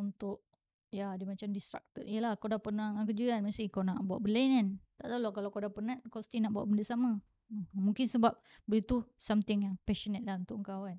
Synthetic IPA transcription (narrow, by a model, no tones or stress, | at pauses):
unt̪ʊʔ | jadimat͡ʃamdist̪ɾa̰k̚t̪ətijəlahkawdapənaŋakəd͡ʒuanmast̪ɪkawnaʔbuaʔbəlanant̪aʔt̪aulakalawkawdapənat̪̚kasə̥t̪inaʔbua̰ʔbəndəsama | muŋkɪnsəbap̚bəɾit̪usamt̪ɪŋjaŋpɛʃənət̪̚lahunt̪ʊʔəŋkawan